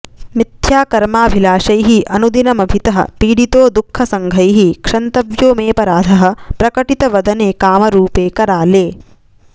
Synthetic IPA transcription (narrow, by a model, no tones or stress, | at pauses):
mit̪jaːkɐɾmaːbʱilaːʃɐjɦiʔɐnud̪inɐmɐbʱit̪ɐɦɐ̰piːɽit̪oːd̪ukʰːɐsɐŋɡʱɐjɦikʂɐnt̪ɐʋjoːmeːpɐɾaːd̪ʱɐɦɐ̆pɾɐkɐʈit̪ɐʋɐd̪ʱɐneːkaːmɐɾuːpeːkɐɾaːleː